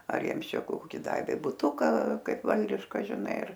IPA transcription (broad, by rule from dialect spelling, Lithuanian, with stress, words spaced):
ɐr ˈjiɛms ˈt͡ʃʲɛ ˈkoːkʲɪ ˈdɑːʋʲeː bʊˈtʊkɐ ˈkɐɪp ˈʋɐlʲdʲɪʃkɐ ʒʲɪˈnɐɪ ɪr